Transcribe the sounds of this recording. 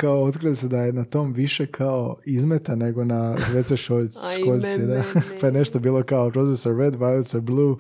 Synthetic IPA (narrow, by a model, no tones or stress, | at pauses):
kaoot̪kɾilisud̪aje̞nat̪o̞mʋiʃekʰaoizmet̪ane̞ɡo̞nazʋe̞t̪seʃoʎʃkoʎʲsid̪apajene̞ʃt̪obiːlˠo̞kaopɾofesoɾɾed̪ʋajusoɾblˠuː